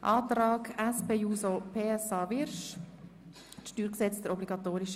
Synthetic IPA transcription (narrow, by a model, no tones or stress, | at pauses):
ʔɑːt̪ɾɑːkæspeːjuːsopʰeːɛsɑːʋɪɾʃ | tʃtyːɾksɛt͡sd̥̪əɾɔbliɡɑt̪oːɾiʃ